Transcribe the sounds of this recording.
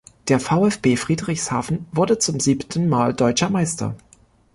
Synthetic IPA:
d̥eːɐfaʊɛfb̥eːfʁ̥iːdʁɪçshaːfn̩vʊɐdət͡sʊmziːptʰn̩maːldɔʏt͡ʃɐmaɪstʰɐ̰

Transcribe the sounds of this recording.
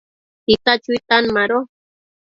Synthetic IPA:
tit̪at͡ʃut̪anmaɾo

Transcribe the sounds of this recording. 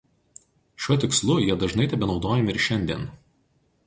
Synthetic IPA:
ʃʲuɔt̪ʲɪkslˠʊjiɛd̪ɐʒnɐɪt̪ʲɐbʲɛnɒʊd̪oːjɛmʲɪɪɾʃʲɛnʲd̪ʲiɛn

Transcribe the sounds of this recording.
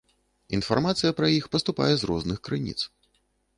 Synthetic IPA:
infa̰rmat̪sɨjɐpɾɐjixpɐst̪upa̰jɛzrɔ̰znɨxkɾɨnʲḭt̪s

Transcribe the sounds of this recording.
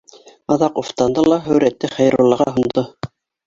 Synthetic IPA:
ɑðɑquft̪ɑnd̪ɤlˠɑɦɵ̆wɾæt̪ːɘχæjɾulˠɑʁɑɦŭnd̪o

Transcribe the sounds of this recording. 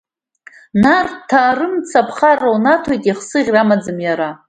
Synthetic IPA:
nartʰaːrɨmt͡sʰapʰχarownatʰojtʼiχsɨʁʲramad͡zɨmjaɾa

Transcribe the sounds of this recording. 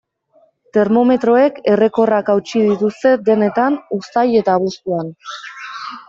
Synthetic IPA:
t̪e̞ɾmo̞me̞t̪ɾo̞e̞ke̞re̞ko̞rakawt͡ʃið̞it̪ust̪e̞d̪e̞ne̞t̪anust̪aje̞t̪aβ̞ust̪uan

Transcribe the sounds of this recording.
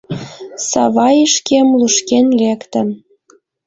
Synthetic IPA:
sɑ̰βɑjəʃkemluʃkenlekt̪ə̆m

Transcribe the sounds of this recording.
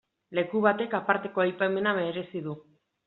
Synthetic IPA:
le̞kuβ̞at̪e̞kapaɾt̪e̞ko̞ajpame̞name̞ɾe̞siðu

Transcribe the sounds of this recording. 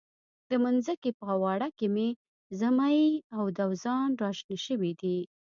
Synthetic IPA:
d̪̥əmanzəkepəawɑɽakɪme | zamajawd̪awzɑnɾɑʃniʃəwid̪i

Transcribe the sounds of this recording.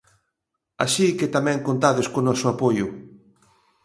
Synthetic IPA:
a̰ʃikɪt̪amɛ̃ŋkont̪aðeskonɔsʊapojʊ

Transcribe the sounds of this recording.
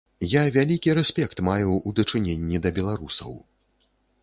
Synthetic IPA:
javʲalʲikʲiɾɛsʲpʲɛkt̪majuud̪ɐt͡ʂɨnʲenʲːid̪ɐbʲɛlˠaɾusɐ̰w

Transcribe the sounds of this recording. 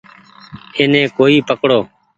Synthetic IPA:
eːnẽːkoːiːpəkɽoː

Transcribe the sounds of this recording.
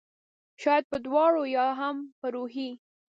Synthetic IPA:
ʃɑjad̪̚pəd̪wɑɽojɑɦampəɾoɦi

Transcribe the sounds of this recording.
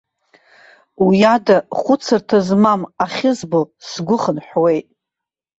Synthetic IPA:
ujadaχʷʊt͡sʰɨrtʰazmamaχʲɪzbosɡʷʊχənħʷwe̞jtʼ

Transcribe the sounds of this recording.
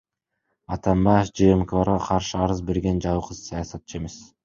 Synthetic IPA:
ɑt̪ɑmbɑjefd͡ʒeemkovɑɾʁɑqʰɑɾʃɯɑɾɯzbe̞ɾɡe̞nd͡ʒɑwɯqɯz̥sɑjɑsɑt̪̚t͡ʃɯe̞me̞s

